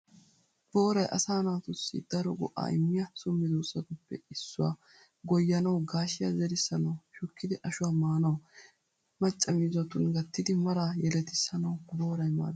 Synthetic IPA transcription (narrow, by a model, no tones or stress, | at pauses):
b̥o̞ːɾɐjʔɐ̰saːnaːt̪ʊsːḭd̪̥ɐɾɔɡɔ̰ʔa̰ːʔɪmːɪjɐsʊmːɪd̪uːsːɐt̪ʊpːɛ̰ɪsːʊwa̰ː | ɡɔjːɐnɐwɡaːʃɪjazɛɾɪsːɐnɐwʃʊkʰːɪd̪ɪʔɐʃʊwaːmaːnɐw | mɐt͡ʃʼːɐmiːzɔt̪ʊnɡɐt̪ːɪd̪ɪmɐɾaːjɛlɛt̪ɪsɐnɐwbo̞ːɾɐjma̰ːd̪